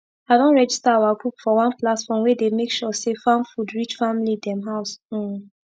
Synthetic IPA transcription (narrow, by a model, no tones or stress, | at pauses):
aɪdɔ̃nɹɛd͡ʒistaawaɡukfɔwãnplatfɔ̃mwɛdemekʃɔsefãnfudɹit͡ʃfamlidɛ̃mɦaʊs̩